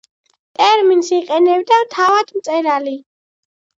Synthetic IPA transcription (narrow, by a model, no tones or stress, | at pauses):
t̪ʼɛɾminsiqʼɛnɛbd̪amt̪ʰavad̪̥mt̪sʼɛɾali